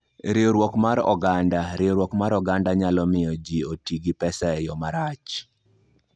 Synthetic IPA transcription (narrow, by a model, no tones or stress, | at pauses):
ɾɪoɾwɔkmaɾɔ̰ɡandaɾɪoɾwɔkmaɾɔɡandaɲalɔmɪjɔd͡ʒiotiɡɪpɛsaɛjɔmaɾat͡ʃ